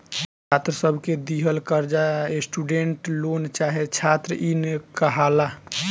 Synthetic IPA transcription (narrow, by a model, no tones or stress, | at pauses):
t͡ʃʰat̪ɾəsəbʱked̪iɦəlkəɾd͡ʒaesʈuɖeɳʈlont͡ʃaɦet͡ʃʰat̪ɾəʔinkəɦala